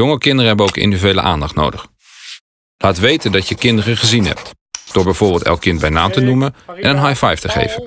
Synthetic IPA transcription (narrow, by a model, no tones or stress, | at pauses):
jʊŋəkɪndərəɦɛbənowkɪ̰ndivyejlə̰ʔa̰ːndɑχtno̰wdəχ | laːtʋejtəndɑtjəkɪndərəχəzinɦɛ̰p̚t | d̥ʊːɹbɛjv̥ʊːɹbɪlˠtɛ̰lˠkːɪnt̚bɛjnaːmtənumənʔɛnənɦajfɛjftəχḛjvən